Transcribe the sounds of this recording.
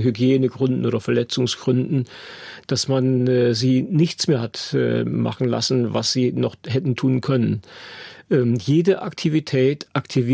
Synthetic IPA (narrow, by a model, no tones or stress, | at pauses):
ɦyɡjeːnəɡʁʏndn̩ʔoːdɐfɛɐlɛt͡sʊŋsɡ̥ʁʏndn̩ | d̥asmanɛːziːnɪçt͡smeːɐhatɛ̰ːma̰χn̩la̰sn̩va̰sz̥iːnɔχhɛtn̩tʰuːnkʰœnən | ʔɛmjeːdəʔa̰ktʰivitʰɛːtʔaktʰiv